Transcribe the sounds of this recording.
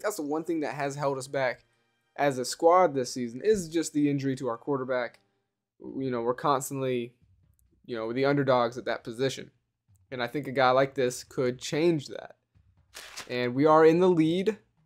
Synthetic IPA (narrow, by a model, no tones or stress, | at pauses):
ðætsðəwʌ̃nθɪ̃ŋðɨ̰t̚ɦɨz̥ɦɛlˠdʌs̬b̥æk | ʔɨzɨskwɑɹd̪̚ðɪsizɨ̃n̩ʔɪzd͡ʒʌst̪̚ðiɪ̃nd͡ʒə˞iɾəaʊə˞kʰw̥ɔɹɾə˞bæk | jɨnoʊwəɹkʰɑ̃nstə̃n̩ʔli | jɨnoʊwɨðiʌ̃ndə˞dɔɡzɨt̪̚ðɨ̰t̚pʰɨzɪʃɨ̰̃n | ɨ̃naɪθɪ̃ŋkɨɡaɪlaɪk̚ðɪskʰɨd̚t͡ʃʰẽɪ̃nd͡ʒðæ̰t̚ | ʔɨ̃nwiə˞ɪ̃nðəlid